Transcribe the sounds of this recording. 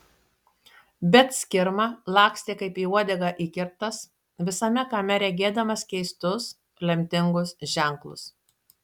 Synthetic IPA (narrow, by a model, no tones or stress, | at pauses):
bʲɛt̪sʲkʲɪɾmɑlˠɑːksʲt̪ʲeːkɐɪpiːuɔd̪ʲɛɡɑʔiːkʲɪɾt̪ɐs | ʋʲɪsɐmʲɛkɐmʲɛɾʲɛɡʲeːd̪ɐmɐskʲɛɪst̪ʊs | lʲɛmʲt̪ʲɪŋɡʊsʒʲæˑŋklˠʊ̰s